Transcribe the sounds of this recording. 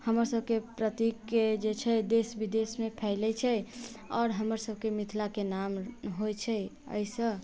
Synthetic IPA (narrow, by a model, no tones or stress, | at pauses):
həməɾsəb̚ʱkepɾət̪ikːed͡ʒet͡ʃʰɛd̪esbid̪esmepʰɛlɛt͡ʃʰɛ | ɔːɾɦəməɾsəb̚ʱkemit̪ʰlakenamɦojt͡ʃʰɛ | ə̰ɪsə̃